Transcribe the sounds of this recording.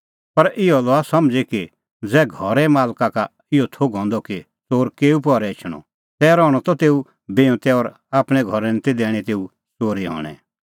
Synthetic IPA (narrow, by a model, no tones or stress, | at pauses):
pɐɾɪɔlɔasɐmd͡zeki | d͡zɛːɡʱɔɾɛmaːlkaka | ɪɔt̪ʰoɡʱɔ̃ːnd̪ɔki | t͡soːɾkeːup̬ɔːɾɛt͡ʃʰɽ̃ɔ̰ | t̪ɛːɾɔ̃ːɔt̪ɔt̪eːu | beːɔ̃t̪ɛɔːɾ | aːpɽ̃ɛ̃ɡʱɔɾɛnt̪ed̪ɛːɽ̃ɛt̪eːu | soːɾiɦɔ̰ːɽ̃ɛ̰̃